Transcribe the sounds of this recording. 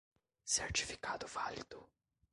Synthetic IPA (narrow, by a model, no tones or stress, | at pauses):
sert͡ʃi̥fi̥kaːt̪ʊfald̪ʊ